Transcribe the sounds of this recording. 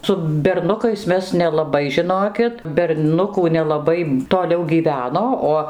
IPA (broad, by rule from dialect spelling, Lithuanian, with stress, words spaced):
sʊ bʲɛrˈnʊkɐɪs ˈmʲɛs nʲɛlˠɐˈbɐɪ ʒʲɪˈnoːkʲɪt bʲɛrˈnʊkuː nʲɛlˠɐˈbɐɪ toːˈlʲɛʊ ɡʲiːˈʋʲæːnoː ˈoː